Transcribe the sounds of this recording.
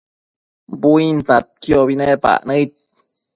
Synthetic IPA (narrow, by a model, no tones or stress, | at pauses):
buint͡sat̪̚kjoβinepa̰nəit̪̚